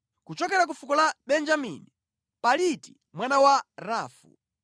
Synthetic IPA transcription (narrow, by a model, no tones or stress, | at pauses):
kut͡ʃɔkɛɾak̬ufukɔlaɓɛnd͡ʒamḭni | paliti̥ | mwanawaɾaːfṵ